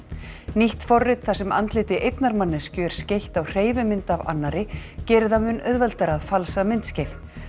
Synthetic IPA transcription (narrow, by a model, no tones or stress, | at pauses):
niht̪fɔrːɪt̪θasɛma̰nt̪lɪːt̪ɪʔejt̪naɾmanːɪscʏɛɾ̥scejht̪awr̥eːjvɪmɪnt̪ava̰nːaɾɪcɛːɾɪðamʏnœðvɛlt̪aɾaðfalsamɪnt̪scejv